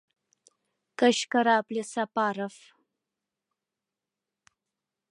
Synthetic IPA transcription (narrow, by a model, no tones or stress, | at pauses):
kaʃkaɾɑːplesapɑːɾaf